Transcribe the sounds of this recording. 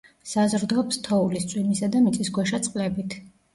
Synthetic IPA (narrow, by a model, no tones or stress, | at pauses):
sazɾd̪ɔpst̪ʰɔulist̪sʼwimisad̪amit̪sʼisɡwɛʃat̪sʼqʼlɛbit̪ʰ